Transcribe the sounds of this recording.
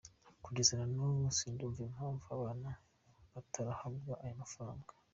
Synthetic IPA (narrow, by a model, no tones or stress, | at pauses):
kuɟezeɾanumusiːnduɱviem̥haːɱvuaβaːna | βatʰaɾahabjaʔajomafaɾaːŋɡḁ